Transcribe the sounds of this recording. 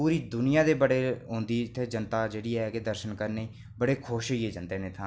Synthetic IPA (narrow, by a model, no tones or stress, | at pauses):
uːɾiːd̪ʊnɪjãːd̪eːbəɽeːɦõːnd̪iːɪt̪ʰːeːd͡ʒənt̪aːd͡ʒeːɽiːɛːkɪd̪əɾʃənkəɾneiː | bəɽeːkʰoːʃijeːd͡ʒənt̪eːnẽːt̪ʰãː